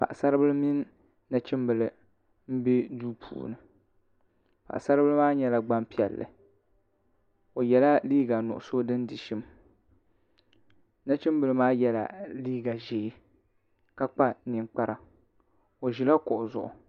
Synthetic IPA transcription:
pa̰˨ʔsa˦ɾɨ˦bɨ˦lɨ˦mi˦n | na˨t͡ʃɪ˦mbɨ˨lɨ˨ | m̩˦bi˦duː˦pʰṵː˨nɨ˨ | pa̰˨ʔsa˦ɾɨ˦bɨ˦lɨ˦maː˦ɲɛ˦la˨ɡ͡ba˦mpi˦ɛ̰˨lːɨ̰˨ | o˨jɛ˨la˦liː˦ɡa˨nʊ̰˨ʔʊ˨so˦dɨ˦ndi˨ʃi˦m | na˦t͡ʃɪ˦mbɨ˨lɨ˦maː˦jɛ˦la̰˨liː˦ɡa˨ʒe˨˦ | ka˦k͡pa˦nɪ˨ŋk͡pa˦ɾa˨ | o˨ʒi˨la˦kʊ˨ʔʊ˨zʊ̰˨ʔʊ̰˨

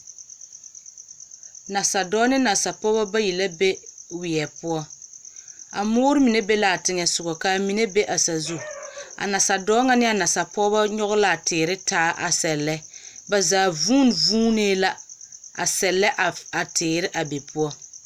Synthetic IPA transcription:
na˨sa˨dɔː˦nɪ˦na˨sa˨pɔ˦ba˦ba˦ji˨la˦be˦wɪ˨ɛ˨pʊ˦ɔ˦ | a̰˨mʊː˦ɾɪ˦mi˨ne˦be˦la˨a˨tɪ˦ŋɛ˨sʊ˨ɡɔ˨ka˨mi˨ne˦be˦ʔa˨sa˨zu˦a̰˨na˨sa˨dɔː˦ŋa˦nɪ˦a˨na˨sa˨pɔ˦ba˦ɲɔ˦ɣʊ˦la˦a˨tɪː˨ɾɪ˦tʰaː˦ʔa̰˨sɛ˨lːɛ˦ba˨zaː˨vuː˦n˨vuː˦neː˦la˦a˨sɛ˨lːɛ˦ʔa˨tʰɪː˨ɾɪ˦ʔa˨be˨pʰʊ˦ɔ˦

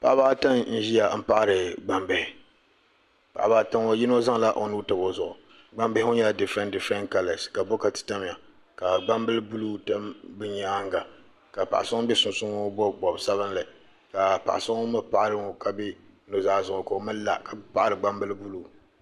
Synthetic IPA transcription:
pa˨ʔa˦baː˦ta˦nn̩˦ʒi˦ja˨m̩˦pa˦ʔa˨ɾɨ˨ɡ͡ba˨mbe˦hɪ˨ | pa̰˨ʔa˨baː˦ta˦ŋo˦ji˦no˦za˦ŋ˨la˦ʔo˨nuː˦tɨ˨bo˦zʊ˨ʔʊ˨ | ɡ͡ba˦˨mbe˦hɪ˦o˦ɲa˦˨dɨ˨fɛ˦ndɨ˨fɛ˦nka˦lɛ˨ska˨bɔ˦ka˨tɨ̥˨ta˦m˨ja˨ | ka˨ɡ͡ba˦mbɨ˦lɨ˦bu˦luː˦ta˦mbɨ˦ɲaː˦ŋɡa˨ | ka˨pa̰˨ʔa˨sʊ˦ŋ˦bɛ˦sʊ˨nsʊ˦ŋo˦bɔ˦ɡ͡bɔ˨bsa˦βɨ˦nlɨ˨ | ka˨pa̰˨ʔa˨sʊ˦ŋ˦mɨ˦pa˨ʔa˦ɾɨ˦ŋo˨ka˨bɪ˦ | no˨zaː˦˨zʊ˨ʊ˨ko˨mɨ˦n˦la̰˨ka˨pa˦ʔa˦˨ɾɨ˨ɡ͡ba˦mbɨ˦lɨ˦bu˦luː˨

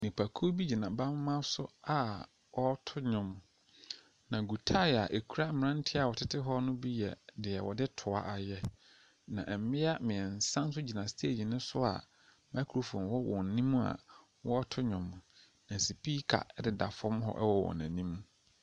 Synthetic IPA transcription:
nĩ˨pʰa˨kʰo˦bi˦d͡ʑi˨nã˨ba˦mː˦ã˦sʊ̰˦a˨ | wɔ˦tʰʊ˦ɲʊ̃˨m | nã˨ɡu˨tʰa˦˨a˨ʔe˨kʰu˦a˦mɪ˨ɾã˦n̩˦tʰɪ˦a˨wɔ˨tʰɪ˦tʰɪ˦ɦɔ˦nʊ̃˦bi˦jɛ̰˨dɪ˨ɛ˨wɔ̰˨dɪ˦tʰʊ˨a̰˦ʔa˨jɛ˦ | nã˨ʔɛ˨˦mɪ̃˦a˦mɪ̃˨ɛ˨n̩˨sã˦n̩˦s̬ʊ˦d͡ʑi˨nã˨stʰe˦˨d͡ʑi˨nɪ̃˦sʊ˦a̰˨ | ma˦kʰu˨ɾo˨fõ˨wɔ˦wʔɔ̃˨n̩˨nĩ˦mũ˦a̰˨ | wɔ˦ɔ˦tʰʊ˦ɲʊ̃˨m˨ | nã˨si˨pi˦kʰa̰˨ɛ˦dɪ˨da˨fɔ̃˦mɦɔ̰˦ʔɛ̰˦wɔ˨wɔ̰˨nã̰˨nĩ˦mũ˦

